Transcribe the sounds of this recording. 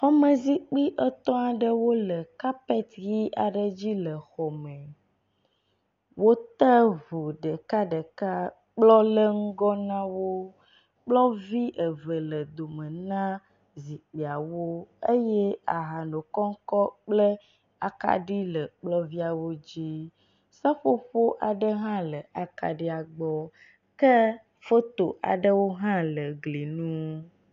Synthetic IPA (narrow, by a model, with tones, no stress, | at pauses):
hɔ˦mə̃˨zi˦k͡pi˦ʔə˦t̪ɔ̃˦a˨ɖə˦wo˦lə˨ka˦pɛ˦t̪ɣi˦ʔa̰˨ɖə˨d͡ʑi˦lə˨xɔ˨mɛ̃˨ | wo˦t̪ə˦vu˨ɖə˨ka˦ɖə˨ka˦ | k͡plɔ˦lə˦ŋ̩˦ɡɔ˦nã˦wo˦ | k͡plɔ˦vi˦ʔə˨və˨lə˨d̪o˨mə̃˨nã˦ | zi˨k͡pe˨a˨wo˦e˦jɛ˦a˨ɦa˨no˨kɔ˦ŋ̩˦kɔ˦k͡plə˦ | a˨ka̰˦ɖi˦lə˨k͡plɔ˦vi˦a˨wo˦d͡ʑi˦ | sa˦ɸo˦ɸo˦ʔa˨ɖə˦ɦã˦lə˨a˨ka̰˨ɖi˦a˨ɡ͡bɔ˦ | kə˦ | fo˦t̪o˨ʔa̰˨ɖə˦wo˦ɦã˦lə˨ɡli˨nũ˦